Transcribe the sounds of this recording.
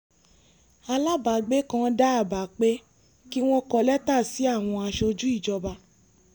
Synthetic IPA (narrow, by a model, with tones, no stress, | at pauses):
a˧la˦ba˨ɡ͡be˦kã˦da˦a˦˨ba˨k͡pe˦ | ki˦w̃ɔ̃˦kɔ˧lɛ˦ta˦˨si˨˦a˦˨w̃ɔ̃˧a˧ʃo˧d͡ʒu˦i˦˨d͡ʒɔ˧ba˧